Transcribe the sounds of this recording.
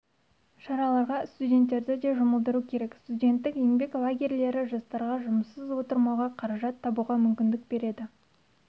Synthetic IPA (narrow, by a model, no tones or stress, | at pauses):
ʃɑɾɑlˠɑɾʁɑst̪udʲe̞nt̪ːe̞ɾd̪ɪd̪e̞ʒʊməlˠd̪əɾukʲʰe̞ɾe̞kst̪udʲe̞nt̪ːɪkjembe̞klˠaɡʲe̞rle̞ɾɪʒɑst̪ɑɾʁɑʒʊməsːəzwo̞t̪əɾmɑwʁɑqʰɑɾɑʒɑt̪ʰːɑbuʁɑmʏmkʲɪnd̪ɪk̚be̞ɾe̞d̪ɪ